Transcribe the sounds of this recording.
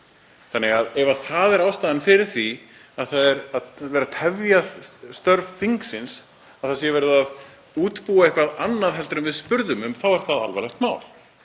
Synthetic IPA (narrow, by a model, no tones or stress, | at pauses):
θanːɛɣaðɛvaθaðɛɾaːwst̪aːðanfɪɾɪɾ̥θi | aðθaðɛɾaðvɛːɾat̪ʰɛvjaðst̪œɾv̥fiŋksɪns | aðθasjɛvɛɾʏðað | uːt̪puːaehkvaðanːaðɦɛlt̪ɾʏmvɪðspʏɾðʏmʏmθawvaɾ̥θaða̰lvɛɾlɛht̪maːwl̥